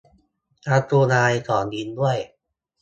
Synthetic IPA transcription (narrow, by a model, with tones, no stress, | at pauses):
ʔaː˧t̪ɾuː˧naː˧jkɔː˩˦nɡi˧ndu˥˩əj